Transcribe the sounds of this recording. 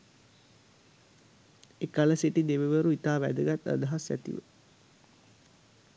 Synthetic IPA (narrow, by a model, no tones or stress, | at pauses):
ekaləseʈid̪eʋeʋəɾuit̪aːʋæ̰d̪əɡat̪ə̰d̪ɐɦasjæ̰t̪ḭʋə̰